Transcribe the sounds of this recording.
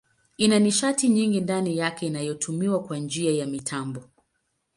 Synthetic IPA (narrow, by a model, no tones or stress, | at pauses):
inaniʃatiɲiŋɡindanijakɛinajɔtʰumiwakwand͡ʒiajamitʰambɔ